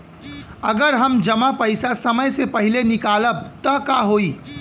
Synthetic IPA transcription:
ɐɡəɾɦɐmd͡ʒɐmapɐɪsasɐməjsepɐɦɪlenɪkaːləb̚t̪ɐkaɦoːiː

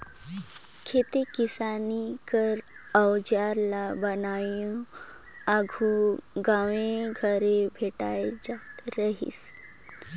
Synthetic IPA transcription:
kʰet̪ekisanikəɾ | əwd͡ʑaɾlabənajũ | aɡʱuɡaʋeɡʱəɾebʱeʈa̰jd͡zat̪ɾəɦḭːs

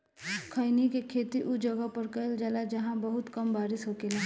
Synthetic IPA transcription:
kʰəɪnikekʰeːt̪iʔud͡ʒəɡəpəɾkəld͡ʒalad͡ʒɐɦãbəɦʊt̪kɐmbaːɾɪsɦokelaː

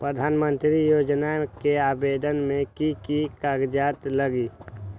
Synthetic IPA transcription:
pɾəd̪ʱaːnmə̃nt̪ɾijoːd͡ʒnakeaːbeːd̪ənmẽkikikaːɡd͡ʒaːt̪ləɡiː

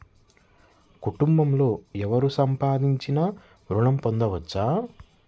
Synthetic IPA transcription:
kuʈumbɐmlo̞ːɛʋɐɾusɐmpaːd̪iɲt͡ʃinɐ | ɾuɳɐmpond̪ɐʋɐt͡ʃːaː

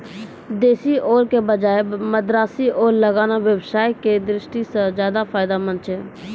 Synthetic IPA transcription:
d̪eːsiʔoːɾkebəd͡ʒaːeməd̪ɾaːsiʔoːɾləɡaːnaʋjəwsaːjked̪ɾɪʃʈisẽzjaːd̪afʰaːɪd̪amə̃nt͡ʃɦẽː

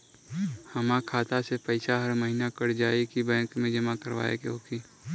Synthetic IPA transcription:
hɐmãkʰaːt̪asepɐɪsaɦɐɾməɦinakəɽ̤d͡ʒaːikibɛ̃ːkmẽd͡ʒɐmakəɾʋa̰ːḛkeɦoːkiː

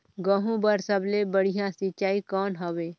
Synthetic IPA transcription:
ɡəɦũbəɾsəblebəɽ̤ijãsɪt͡ʃaːikɔːnɦəʋeː

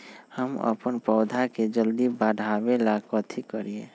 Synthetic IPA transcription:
həmə̰pənpɔːd̪ʱaked͡ʒəld̪ibaɖʱabelakət̪ʰikəɾie

